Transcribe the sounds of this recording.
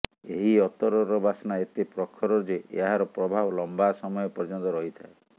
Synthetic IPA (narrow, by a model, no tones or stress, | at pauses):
eɦiɔt̪ɔɾɔɾɔbasɔnaet̪epɾɔkʰːɔɾɔd͡ʒeʔḛaɦaɾɔpɾɔbʱabɔlɔmbasɔmɔjɔpɔɾd͡ʒɔnt̪ɔɾɔɦit̪ʰae